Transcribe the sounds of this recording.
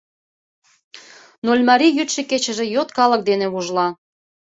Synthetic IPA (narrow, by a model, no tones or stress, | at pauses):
nolʲmɑɾijyt̪ʃĕket͡ɕə̆ʒĕjot̪kɑlə̆k̚d̪eneβuʒlɑ